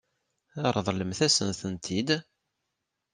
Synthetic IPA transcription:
əɾˤðˤləmθæsə̰nθənt̪ʰid̪

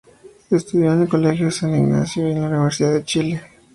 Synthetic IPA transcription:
est̪uðjond̪ekolexjoðsaniɡna̰sjoenlauniβeɾsiðaðet͡ʃile

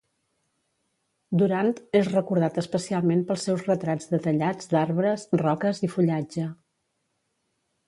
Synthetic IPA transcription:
d̪uɾant̪ezrəkuɾð̞at̪əspəsialˠmempəlˠsːɛwzrət̪ɾad͡zd̪ət̪əʎad͡zd̪aɾβɾəzrɔkəzifuʎad͡ʒə

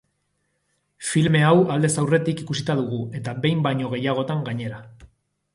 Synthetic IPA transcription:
filme̞awald̪e̞sawre̞t̪ikikusit̪aðuɣ̞ue̞t̪aβe̞jmbajɲo̞ɣ̞e̞jaɣ̞o̞t̪aŋɡaɲe̞ɾa

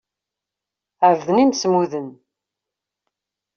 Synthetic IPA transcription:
ʕvðənimsmuðən

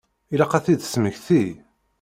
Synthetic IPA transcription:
ilaqæθiðsməʝθi

